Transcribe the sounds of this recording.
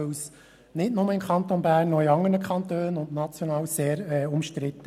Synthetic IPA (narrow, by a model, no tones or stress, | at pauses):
ws | nɪtnʊməɪmkʰɑnt̪onbæːrnːɔiɑŋənəkχɑnt̪øːnʊndnɑt͡sjɔnɑːwseːɾɛʊmʃtɾɪt̪ːə